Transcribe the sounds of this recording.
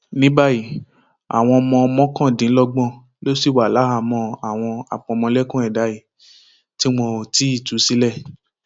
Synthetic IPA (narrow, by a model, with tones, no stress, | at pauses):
nĩ˦ba˦ji˦˨ | a̰˨w̃ɔ̃˧ɔ˧mɔ̃˧ɔ˧mɔ̃˦kã˦˨dĩ˨˦lɔ˧ɡ͡bɔ̃˦˨ | lo˦si˦˨wa˨la˨˦ɦa˧mɔ̃˧a˨w̃ɔ̃˧a̰˨k͡pɔ̃˧ɔ˧mɔ̃˧lɛ˦kũ˦ɛ˨da˨˦i˨ | ti˦w̃ɔ̃˧o˨ti˦i˦˨tu˨˦si˦lɛ˦˨